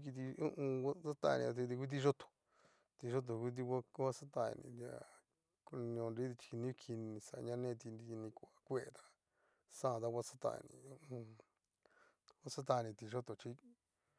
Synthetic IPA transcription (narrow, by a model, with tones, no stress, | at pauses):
ki˧t̪̬i˧u˦ʔũ˧a˦t͡sa˦t̪a̰˦˧nḭ̃˧i˧t̪i˧ku˦t̪̬i˦˧ʒo˦t̪o̥˨ | t̪i˧ʒo˦t̪̬o˨ku˦t̪̬i˧ka˦ko˦a˦sa˦t̪a̰˧˨nḭ̃˧a̰˧˨ | ko˧nĩ˧õ˧nɾi˦d̪i˧t͡ʃi̥˧ki˧nĩ˦˧kʰi˧nĩ˧sa˨˧ɲã˦˧nẽ˦˧t̪i˧ni˧nĩ˧kʷa˨kʷe˦e˧t̪ḁ˧ | sã˦˨t̪a˦˧kʷwʷa˦˧sḁ˦t̪a̰˦˧nḭ̃˧˨u˦ʔũ˧ | kʷa˦sa˦t̪a˧nĩ˧t̪i˧ʒo˦t̪o˨t͡ʃi˦